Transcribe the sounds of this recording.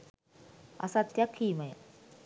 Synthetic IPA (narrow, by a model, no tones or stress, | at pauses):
ɐ̰sɐt̪jakʰːiːmɐjɐ̰